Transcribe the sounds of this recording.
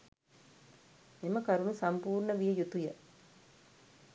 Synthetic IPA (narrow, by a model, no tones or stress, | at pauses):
emɐkɐɾunɯsɐmpuːɾɳɐʋijɐjut̪ujɐ